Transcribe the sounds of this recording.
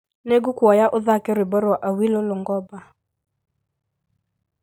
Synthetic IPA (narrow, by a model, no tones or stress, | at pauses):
neɡukuɔjaʔʊðakɛɾwɪbɔɾaʔawilʊlʊŋɡɔba